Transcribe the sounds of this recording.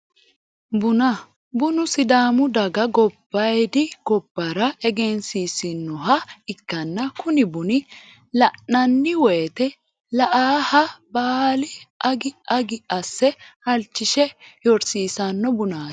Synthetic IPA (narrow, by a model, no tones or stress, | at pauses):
bʊnɐ | bʊnʊsɪd̪aːmʊd̪ɐɡɐɡɔb̥ːɐjd̪ɪɡ̥ɔbːɐɾɐɛɡɛnsisɪnːʊɦɐɪkːɐnːɐkʊnɪbʊnɪ | lɐnːɐnːɪwɛːt̪ɛ | lɐʔaːhɐbaːlɪʔɐɡɪɐɡɪʔɐsːɛhɐlt͡ʃːɪʃɛjɔɾsiːsɐnːɔbʊnḁː